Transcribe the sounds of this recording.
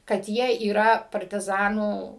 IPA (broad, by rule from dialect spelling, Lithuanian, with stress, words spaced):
kɐt ˈjiɛ iːˈrɐ pɐrʲtʲɪˈzɑːnuː